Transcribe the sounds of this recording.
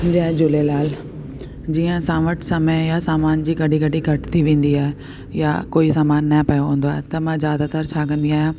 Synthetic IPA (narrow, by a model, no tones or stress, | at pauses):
d͡ʑɐ̃ɦɛ̃d͡ʑʊlelaːl | d͡ʑiːə̃sãːʋəʈsɐməjasaːmaːnd͡ʑiːɡɐɖiɡɐɖiɡʱɐʈt̪ʰiʋẽːnd̪iaːɦe | ja̰koːisaːmaːnːɐɦpɐjoɦũːn̆d̪oaːɦet̪ɐmãzjaːd̪at̪əɾt͡ɕʰaːkə̃nd̪iaːɦijãː